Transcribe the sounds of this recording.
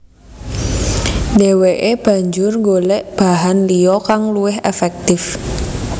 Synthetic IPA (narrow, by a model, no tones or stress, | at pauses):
deweʔeb̥a̤ɲd͡ʒʊrŋɡolɛʔb̥aɦanliɔkaŋluɪɦɛfɛk̚t̪ɪf